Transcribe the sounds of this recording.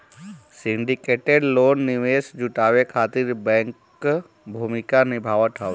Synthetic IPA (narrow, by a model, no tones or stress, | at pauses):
sɪɳɖikeːʈeɖloːnːɪʋeːsd͡ʒuʈaːʋekʰaːt̪ɪɾbɛ̃ːŋkː | bʱumɪkanɪbʱaːʋət̪ɦɔʋ